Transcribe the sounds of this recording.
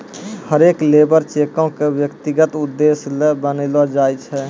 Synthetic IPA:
həɾeklebəɾt͡ʃekõkebjəkt̪iɡət̪ud̪ːeslebənelɔd͡ʒajt͡ʃʰɛ

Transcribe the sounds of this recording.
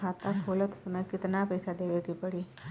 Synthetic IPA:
aːt̪akʰoːlət̪sɐməjkɪt̪napəɪsad̪eːʋekipɐɽiː

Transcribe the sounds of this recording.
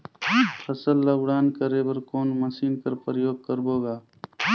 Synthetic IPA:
pʰɐsəlːəwɽaːnkəɾebɐɾkoːnməsiːnkəɾpɾəjoːɡ̚kəɾboːɡaː

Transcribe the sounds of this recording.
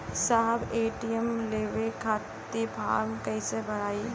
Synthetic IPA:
saːɦəbeːʈijəmleːʋekʰaːtt̪ːipʰa̰ːmkɐisebɐɽaːi

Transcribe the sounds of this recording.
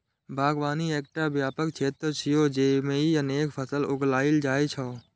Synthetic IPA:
bʱaːɡʋaːnieːk̚ʈabjaːpəkt͡ʃʰeːt̪ɾət͡ʃʰɪjoːd͡ʒeːmeiəneːkpʰəsəlʊɡlaːɪld͡ʒaːit͡ʃʰɔː

